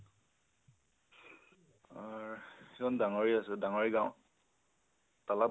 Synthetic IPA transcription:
aɹikɔndaŋɔɹiasɛdaŋɔɹiɡãʊ̃ | tala

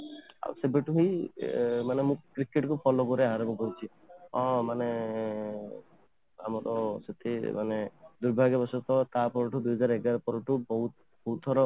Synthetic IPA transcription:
a̰wsebeʈuɦi | manemũkɾikeʈkupʰɔlɔkɔɾeaɦaɾɔmũkɔɾit͡ʃʰi | ɔ̃mane | a̰mɔɾɔset̪ʰema̰ned̪uɾbʱaɡɔbɔsɔt̪ɔt̪apɔɾɔʈud̪uɦɔd͡ʒaɾɛɡaɾɔpɔɾɔʈubɔɦut̪ | b̥ɔɦut̪ʰɔɾɔ

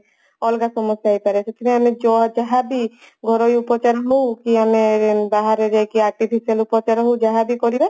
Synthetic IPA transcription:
ɔlɡasɔmɔsjajpaɾet͡ʃʰet̪ʰiniamed͡ʒɔad͡ʒaɦad̪i | ɡʱɔɾojupɔt͡ʃaɾɦowkiamebaɦaɾeɾekiaɾʈipʰisialupɔt͡ʃaɾɦowd͡ʒaɦad̪ikoɾiba

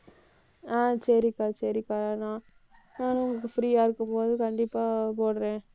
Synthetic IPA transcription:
aːsɐɾɪkaːɾsɐɾɪkaːɾanãː | naːnʊŋɡɐkːɯfɾiːaːɪɾɯkːɯmpoːðɯkɐɳɖɪpːaːpoːɽɾẽː

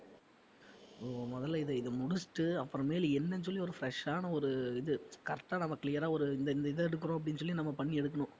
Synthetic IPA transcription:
oːmɔðɐlːɐɪðɯɪðɯmʊɽɯsʈːɯɐpːɯɾɔ̃meːlɛnːɛns̬ɔlːiɔɾɯfɪɾɛʂaːnɐɔɾɯɪðɯkɐɾʈːaːnɐmːɐkɪlɪjɐɾaːɔɾɯɪnd̪ɐɪnd̪ɐɪðɐɛɽɯkːɯɾõːɐp̬ːɐɽɪnːɯsɔlːinɐmːɐpɐɳːiɛɽɯk̬ːɐɳʊ̃

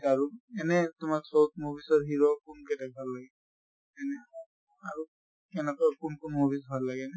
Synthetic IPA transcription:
aɹuɛnɛtʊmaksowt̚mobʱisɔɹɦiɹɔkunkɛtɛk̚bʱalːaɡɛ | ɛnɛ | aɹu | ɛnɛkakunkʊnmobisbʱalːaɡɛnɛ

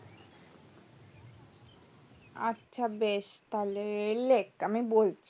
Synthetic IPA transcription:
a̰tːɕʰabeʃt̪aleelekamibolt͡ɕʰi

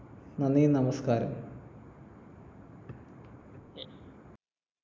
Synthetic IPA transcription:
nɐnːijenɐmɐskaːɾɐ̰m

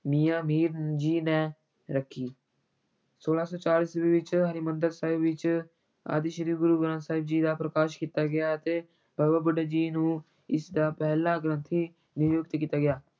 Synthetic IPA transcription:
miːãːmiːɾd͡ʒiːnɛ̃ː | ɾəkʰːiː | soːlaːsɔːt͡ʃaːliːsʋiːʋɪt͡ʃɦəɾimənd̪əɾsaːɪbʋɪt͡ʃ | a̰ːd̪iːʃəɾiːfɡʊɾuːɡəɾãːsaːɪbd͡ʒiːd̪aːpɾəkaːʃkiːt̪aːɡɪjaːət̪eː | bʱəbabəɖəd͡ʒiːnũː | ɪsd̪aːpɛːɦlaːɡɾə̃nt̪ʰiː | nʊjoːɡɪt̪kiːt̪aːɡɪjaː

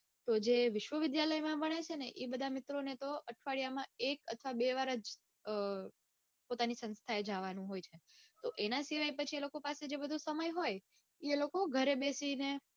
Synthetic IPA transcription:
t̪od͡ʒeʋɪʃʋəʋɪd̪jaləjmãbəɽ̃et͡ʃʰeneʔebəd̪ʱamɪt̪ɾonet̪oəʈʰʋaɭijamãekət̪ʰʋabeʋaɾəd͡ʒ | pot̪anisə̃nst̪ʰaed͡ʒaʋanũɦojt͡ʃʰet̪oʔenasiʋajpət͡ʃʰielokopased͡ʒebəd̪ʱũsəməjɦoj | elokoɡʱəɾebesine

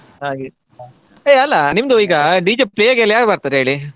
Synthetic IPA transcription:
ɦaːɡi | eːɐlːɐnimd̪uiːɡɐɖiːd͡ʒeplejaɡeɐlːɐjaːɡbaɾt̪aːɾeɦeːɭi

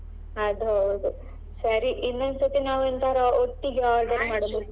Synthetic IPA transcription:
ɐd̪ɦɐwd̪u | sɐɾiʔinːɐnsot̪inaːʋɐnt̪ɐɾɐoʈːiɡeaːɾɖɐɾmaːɽbeku

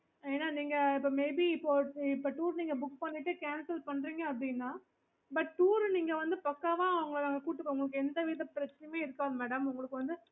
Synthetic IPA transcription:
eːnːaːniːŋɡɐɪpːoːmeɪbiɪpːoːɪpːoːʈuːɾniːŋɡɐbʊkːpɐnːɪʈːɯkaːnsɐlpɐɳːɾiːŋɡɐɐpɐɽɪjnːãː | bɐʈʈuːɾniːŋɡɐʋɐnd̪ɯpɐkːaːʋãːɐʋɐŋɡɐɭɯkːɐŋɡɐkuːʈːɯkːɐʊŋɡɐɭɯkːɯɛnd̪ɐʋiːðɐpɪɾɐt͡ʃːɐnɐmeːɪɾɯkːaːðmɛːɽɐmʊŋɡɐɭɯkːɯʋɐnd̪ɯ

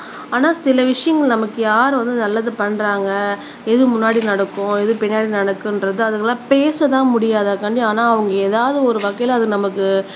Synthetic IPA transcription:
aːnaːsɪlɐʋɪʂɐjɐŋɡɐɭnɐmɐkːɯjaːɾɯʋɐnd̪ɯnɐlːaðɯpɐɳːɾaːŋɡɐ | ɛðɯmʊnːaːɽinɐɽɐkːʊ̃ɛðɯpɛnjaːɽinɐɽɐkːɯnɾɐðɯɐðɯkːɐlːãːpeːsɐt̪ãːmʊɽɪjaːðɐkɐɳɖɪ̃aːnaːɐʋɐŋɡɐeːðaːʋɐðɯɔɾɯʋɐkːɐjɪlɐðɯɯnɐmɐkːɯ

